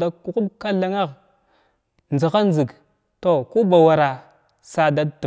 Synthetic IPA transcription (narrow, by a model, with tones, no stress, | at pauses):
da˨ku˨ku˦bka˦la˨ŋa˦ɣ | nzi˨xa˦nzi˨ɡ | to˦˨ku˦ba˨wa˨ɾa˨ | sa˦da˦dtu˨